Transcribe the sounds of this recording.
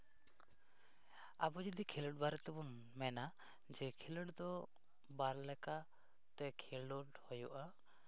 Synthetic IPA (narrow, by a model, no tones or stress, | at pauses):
abɔd͡ʒɔd̪ikʰiləɽ̚baɾɛt̪ɛbɔn | mɛna | d͡ʒɛkʰiləɖd̪ɔ | baɾlɛka | t̪ɛkʰilɔʈhɔjɔʔa